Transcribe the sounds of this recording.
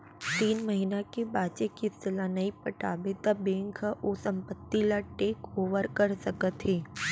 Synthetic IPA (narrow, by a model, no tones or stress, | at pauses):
t̪iːnmɐɦinakebaːt͡ʃekisɪlanɐipəʈaːbet̪abẽːŋkʰaʔosɐ̃mpət̪ːilaʈeːkoːʋəɾkɐɾsəkət̪ɦeː